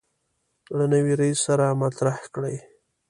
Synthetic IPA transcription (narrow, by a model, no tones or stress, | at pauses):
ɽanəwiɾaisːaɾamat̪ɾahkɽəj